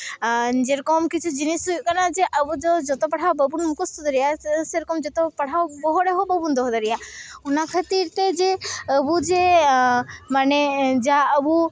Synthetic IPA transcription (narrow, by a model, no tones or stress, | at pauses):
d͡ʒeɾɔkɔmkit͡ʃʰud͡ʒinisujkanad͡ʒeʔəbud͡ʒɔd͡ʒɔt̪ɔpɐɽ̤awbəbunmukɔst̪ʰɔd̪əɾijaseɾɔkɔmd͡ʒɔt̪opɐɽ̤awbɔɦɔɽeɦobəbund̪ɔɦd̪əɾijaunakʰət̪iɾt̪ed͡ʒeəbud͡ʒe | maned͡ʒaəbu